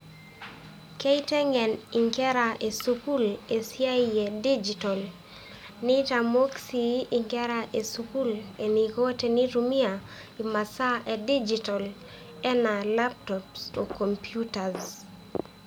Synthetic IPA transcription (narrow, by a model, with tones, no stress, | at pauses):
ke˦itɛ˦ŋɛ˨ni˨ŋkɛ˦ɾa˨ʔe˨suku˦le˨sja˦iɛ˨di˦d͡ʒi˨tɔ˨l | nɪ˦tamo˦ksiiŋkɛ˦ɾaʔe˨suku˦le˨niko˦te˨ni˦ɾumia | i˨ma˨sa˦ʔe˨di˦d͡ʒitɔ˨l | ɛ˦na˨la˦p̚tɔpso˨ko˨mpjuta˨z